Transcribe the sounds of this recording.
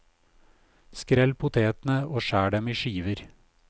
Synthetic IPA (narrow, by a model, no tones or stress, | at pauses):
skɾɛlpʰʊt̪ʰeːt̪n̩əoːʃæːɖɛmiːʃiːʋəɾ